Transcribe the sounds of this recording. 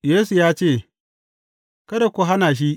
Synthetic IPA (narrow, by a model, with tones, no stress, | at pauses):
jeː˦su˨jaː˦t͡ʃeː˦˨ | kɐ˦da˨kʷu˨ɦa˦naː˨ʃ̬i˦ʔ